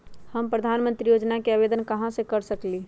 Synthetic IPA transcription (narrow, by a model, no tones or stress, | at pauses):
həmpɾəd̪ʱanmənt̪ɾijod͡ʒnakeəbed̪ənkəɦãsẽkəɾsəkli